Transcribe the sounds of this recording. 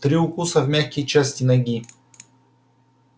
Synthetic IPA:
t̪ɾiʊkusɐvmʲaxkʲit͡ʃast̪ʲinɐɡʲi

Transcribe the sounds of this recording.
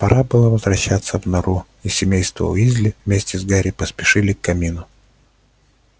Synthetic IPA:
pɐɾʔabɨlˠəvəzvɾɐɕːat̪sːəvnɐɾu | isʲɪmʲejst̪və̰ʊ̰jizʲlʲɪvmʲesʲtʲɪzɡaɾʲɪpəspʲɪʂɨlʲɪkːɐmʲinʊ

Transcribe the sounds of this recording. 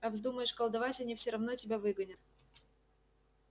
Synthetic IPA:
ɐvzd̪uməjɪʂkəlˠd̪ɐvatʲɐnʲifsʲɪɾɐvnotʲɪbʲavɨɡənʲət̪

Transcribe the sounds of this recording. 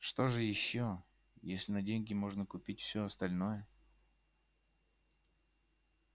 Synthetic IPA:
ʂt̪o̞ʐɨjɪɕːo | jesʲlʲɪnɐdʲenʲɡʲɪmo̞ʐnəkʊpʲitʲfsʲoɐst̪ɐlʲnojə

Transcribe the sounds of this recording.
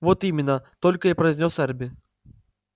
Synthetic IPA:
vɔt̪imʲɪnːət̪ɔlʲkɐipɾɐjzʲnʲɔsɛrbʲi

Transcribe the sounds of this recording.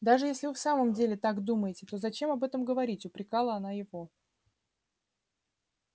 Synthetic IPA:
d̪aʐɨjesʲlʲɪvɨfsaməmdʲelʲɪt̪akd̪uməjɪtʲɪt̪o̞zɐt͡ɕe̞mɐbɛt̪əmɡəvɐɾʲitʲʊpɾʲɪkalˠəɐn̪ajɪvo

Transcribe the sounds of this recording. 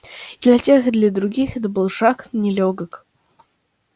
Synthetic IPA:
d̪lʲɐtʲexd̪lʲɐd̪ɾʊɡʲixɛt̪əbɨlˠʂaknʲɪlʲoɡək

